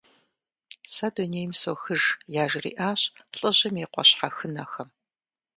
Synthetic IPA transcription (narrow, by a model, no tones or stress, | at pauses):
sɐdoneːjmsoːxɨʒjaːʒɪrḭːʔaːɕɬʼɨʑɪmeqʷɔ̰ɕħaxɨnɐxɐm